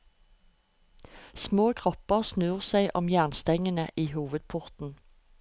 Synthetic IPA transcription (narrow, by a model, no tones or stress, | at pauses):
smoːkʰʁɔpəʁsnʉːʁsæɪʔɔmjæʁnst̪ɛŋənəʔiːhuːʋəd̪̚pʰʊʁt̪n̩